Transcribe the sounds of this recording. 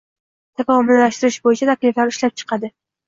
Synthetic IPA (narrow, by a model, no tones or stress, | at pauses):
t̪ʰakɒmʊllaʃt̪ɪɾɪʃbojɪt͡ʃʰat̪ʰakʲlɪflaɾʊʃlap̚t͡ʃʰɨ̥qʰɑd̪ɪ